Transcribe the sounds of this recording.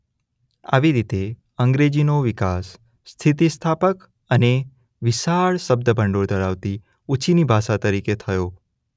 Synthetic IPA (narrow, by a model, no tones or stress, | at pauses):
a̰ʋiɾit̪e | əŋɡɾed͡ʒinoʋɪkasː | t̪ʰit̪̬ist̪ʰapək | əne | ʋɪʃaɭʃəb̚d̪əbʱəɳɖoɽd̪əɾaʋt̪i | ut͡ʃʰinibʱaʃat̪əɾiket̪ʰəjo